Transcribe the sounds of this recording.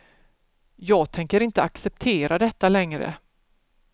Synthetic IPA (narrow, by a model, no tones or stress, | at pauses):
jɑːɡt̪ʰɛŋkəɾɪnt̪əaksɛp̚t̪ʰeːɾad̪ɛt̪ːalɛŋɾə̰